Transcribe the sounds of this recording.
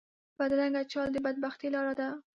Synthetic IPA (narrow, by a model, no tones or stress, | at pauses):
b̥ad̪ɾaŋɡat͡ʃɑld̪əbad̪̚baxt̪ilɑɾad̪a